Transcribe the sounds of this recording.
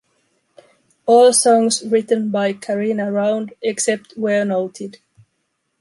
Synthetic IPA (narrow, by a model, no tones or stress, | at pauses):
ɔːlˠsɔ̃ŋsɹɪtə̃nbaɪkʰəɹinəɹãʊ̃ndɛksɛp̚twə˞noʊtʰɪd̥